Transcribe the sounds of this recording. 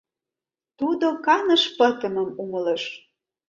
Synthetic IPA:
t̪ud̪okɑnə̆ʃpɤ̆t̪ə̆mə̆muməlɤʃ

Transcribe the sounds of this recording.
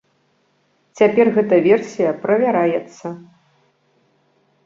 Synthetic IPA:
t͡sʲapʲɛrɣɛt̪ɐvʲɛrsʲijɐpɾɐvʲaɾajɛt̪sːɐ

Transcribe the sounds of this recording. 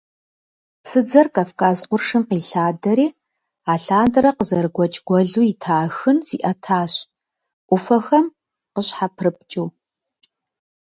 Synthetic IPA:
sɨd͡zɐrkɐfkʰʼaːzqʷʊrʂɨmqiːɬaːdɐɾeː | aːɬaːndɨɾɐqəzɐrɡʷɔt͡ʃʼɡ̥ʷɔɮuːjitʰaːxɨnz̥ḭʔɐtʰaːɕ | ʔʷʊfɐxɐm | qəɕħapʰrɨp̚t͡ʃʼuː

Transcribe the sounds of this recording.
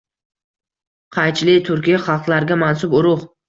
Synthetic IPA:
qʰɑjt͡ʃlɪt̪ʰʊɾkʲijaχɑlˠqlˠaɾɡʲamansʊbʊɾʊχ

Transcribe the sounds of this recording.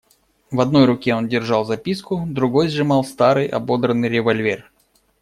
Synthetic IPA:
vɐd̪no̞jɾʊkʲeo̞ndʲɪrʐɑlˠzɐpʲiskʊd̪ɾʊɡo̞jzʐɨmɑlˠst̪aɾɨjʔɐ̰bo̞d̪ɾənːɨjɾʲɪvɐlʲvʲer

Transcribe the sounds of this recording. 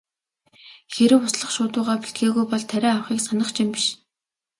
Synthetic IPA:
xeɾɘ̆wʊsɮə̆χʃʊːt̪ʊːʁaːpi̥ɬt̪ɡeːɣujpɔɮt̪ʰæɾʲæːawχiːksanə̆χt͡ɕʰimpi̥ʃ

